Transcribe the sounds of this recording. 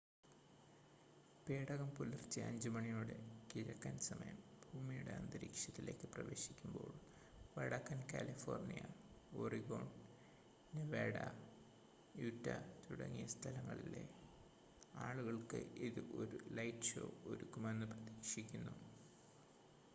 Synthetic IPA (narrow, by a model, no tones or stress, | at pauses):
peːɽɐɣɐmpulirt͡ɕːɨɐ̰ɲd͡ʑɨmɐɳijuːɽe̞̰kiɻɐkːɐnsɐmɐjɐmbʱuːmijuɽe̞̰ɐnd̪ɐɾḭːkʂjɐt̪ːile̞ːkːɨprɐʋe̞ːɕi̥kʲːumbo̞̰ːɭ | ʋɐɽɐkːɐnka̰ːlifo̞ːrnijɐoriɣo̞̰ːɳ | neʋeːɽɐ | jutːɐ̰t̪uɽɐ̰ŋːijɐst̪ʰɐlɐŋːɐ̰ɭilḛ | aːɭuɣɐɭkɨʔiðɨʔo̞ɾulɐjtɕo̞̰ːoɾukːumenːɨprɐt̪iːkʂikʲːunːu